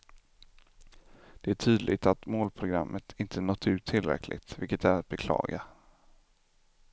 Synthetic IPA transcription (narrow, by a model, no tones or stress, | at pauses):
d̪̥ɛæʈʰyːd̪lʔɪ̰ɡt̪at̪moːlpʰɾʊɡɾamːʔət̪ʰɪnt̪ʰənɔt̪ʰːʉ̟ːt̪ʰːɪlːɾɛ̰kʰlʔɪ̰ɡt̪vɪlkət̪æɾat̪̚bɛkʰlɑ̰ːɡa